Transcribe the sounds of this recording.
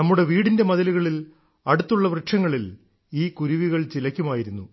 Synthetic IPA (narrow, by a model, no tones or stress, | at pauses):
ɐmːuɽe̞ʋiːɽinde̞mɐðɐluɣɐɭil | ɐɽut̪ːuɭːɐʋrɨʂʰɐŋːɐɭil | iːkuɾuʋiɣɐɭt͡ɕilɐkʲːumaːjiɾunːu